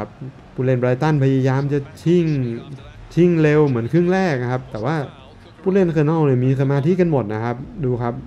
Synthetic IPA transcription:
a˧p̚ | pʰːuː˧˩leː˧˥˩nbɾaː˧jt̪a˥˩npʰa˧jaː˧jaː˧mt͡ɕa˨˩t͡ɕʰi˥˩ŋ | t͡ɕʰi˥˩ŋle˧wmɯ˩˦ənkʰɯ˥˩ŋɾɛː˥˩k̚n˧kʰa˦˥p̚t̪ɛː˨˩waː˥˩ | pʰuː˧˥˩le˧˩˨nkʰɤ˧˩nɔ˥˩wni˧˩miː˧sa˧maː˧t̪ʰiː˧˥ka˧nmo˨˩t̪̚na˦˥˩kʰa˦˥p̚duː˧kʰa˦˥p̚

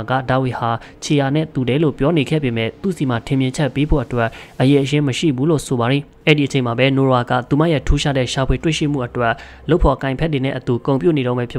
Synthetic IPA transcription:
ɡä̰˦˨da˨wi˨ha˨ | t͡ɕʰe˨ja˨nɛ̰˦˨t̪u˨dɛ˨˦lo̰˦˨pjɔ˦ne˨ɡɛ̰˦˨be˨mɛ̰˦˨t̪ṵ˦˨si˨ma˨tʰɪ̃˨mjɪ̃˨ɲt͡ɕʰɛ˦ʔpːe˦bo̰˦˨ʔətwɛ˦˨ʔʔəje˨ʔəjɪ̃˦məʃḭ˦˨bu˦lo̰˦˨so˨ba˨ɾi˨ | ʔɛ˦˨di˨ət͡ɕʰẽ˨ma˨bɛ˦no˨a˨ɡä̰˦˨t̪u˨ma̰˦˨jɛ̰˦˨tʰu˦ʃa̰˦dɛ̰˦˨ʃa˨pʰwe˨twe˦˨ʃḭ˦˨m̥ṵ˦˨ʔətwɛ˦˨ʔ | lo˦ʊpʰːɔ˨kã˨ɪ̃mpʰɛ˦t̬ːwe˨nɛ̰˦˨ʔət̪u˨kõ˨ʊ̃mpjṵ˦˨ne˨ɾõ˦mbɛ˦pʰjɪ˦

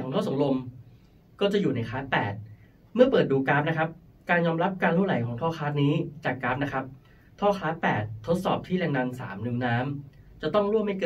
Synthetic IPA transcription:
ɔː˩˦ŋt̪ʰɔː˥˩so˩˦lo˧m | kɔː˥˩t͡ɕa˨˩juː˨˩na˧jkʰaː˦˥t̪̚pɛ̰ː˨˩t̪̚ | mɯ˥˩ɐpɤː˨˩t̪̚duː˧kaː˦˥p̚na˦˥kʰa˦˥p̚ | kaː˧njɔː˧mɾa˦˥p̚ka˧nt̪ʰa˥˩la˩˦jkʰɔː˩˦ŋt̪ʰɔː˥˩xʰaː˦˥t̪̚niː˦˥t͡ɕaː˨˩kːaː˦˥p̚na˦˥kʰɾa˦˥p̚ | t̪ʰɔː˥˩xʰaː˦˥t̪̚pɛ̰ː˨˩t̪ʰːo˦˥t̪̚sɔː˨˩p̚t̪ʰiː˥˩lɛː˧ŋna˧nsa̰ː˩˦mnɯ˨˩˦ŋnaː˦˥mt͡ɕa˨˩t̪ɔ˥˩ŋɾu˥˩əmha˥˩jkɤː˧˩

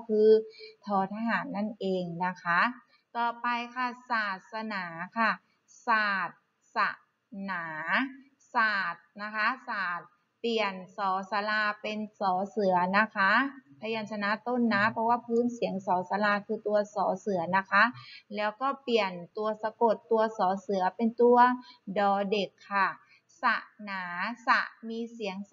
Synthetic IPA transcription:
kʰɯː˧t̪ʰɔː˨˩˦t̪ʰaː˧ɦaː˩˦nːa˥˩nʔeː˧ŋna˦˥kʰa˦˥ | t̪ɔː˨˩pa˧jkʰa˧˥˩saː˨˩t̪̚sa˧naː˩˦kʰa˥˩ | saː˨˩t̪̚ | sa̰˧˩ | naː˩˦ | saː˨˩t̪̚na˦˥kʰa˦˥saː˨˩t̪̚ | pli˨˩ənsɔː˩˦sa˧laː˧pe˧nsɔː˩˦sɯ˨˩˦ɐna˦˥kʰa˦˥pʰa˧jaː˧˩nsa˧na˧˥t̪o˧˥˨nːa˦˥pʰɔ˧waː˧˥˩pʰɯː˧˥˨nsi˨˩˦ə˦ŋsɔː˩˦sa˧laː˧kʰɯː˧t̪u˧ɐsɔː˩˦sɯ˩˦ɐna˦˥kʰa˦˥lɛː˦˥wkɔː˥˩pli˨˩ənt̪u˧ɐsa˧ko˨˩t̪ːu˧ɐsɔː˨˩˦sɯ˩˦ɐpe˧nt̪u˧ɐdɔː˨˧de˨˩kʰːa˧˩ | sa˧˩ʔnaː˩˦sa̰˧˩ʔmiː˧si˨˩˦ə˦ŋ

